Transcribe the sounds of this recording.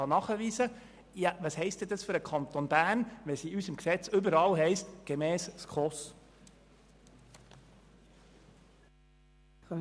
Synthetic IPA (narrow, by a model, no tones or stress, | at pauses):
ɑnɑχəʋiːsə | jɑvɑshɛɪst̪̚ɛd̪ɑsfʏɾəkʰɑnt̪onbæːnʋɛsiysəmksɛt͡sʏbəɾɑlɦɛɪstɡ̥emɛːsskʰχɔs